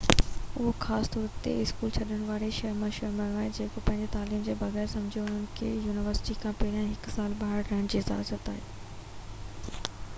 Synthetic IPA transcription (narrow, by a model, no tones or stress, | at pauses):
ʊɦoxaːst̪ɔːɾt̪ḛɪskuːlt͡ɕʰɐɗəɽ̃ʋaːɾeʃɐɾmaʃɐɾmaɾaːɦed͡ʑeːkopɐ̃ɦɪ̃ɲd͡ʑet̪aːliːmd͡ʑeːbɐɣɛːɾsɐ̃md͡ʑʱijoʊn̤ənɪ̆kʰejuːnɪʋəɾsɪ̥ʈikʰãpɛːɪɾijãɦɪksaːlɓaːɦɪɽɾɐɦɪɽ̃d͡ʑiːɪza̰ːzət̪aːɦeː